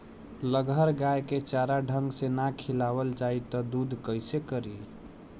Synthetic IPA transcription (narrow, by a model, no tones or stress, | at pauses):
ləɡʱəɾɡajket͡ʃaɾaɖʱəŋɡsenakʰilawəld͡ʒait̪ɔd̪ud̪ʱkəɪsekəɾi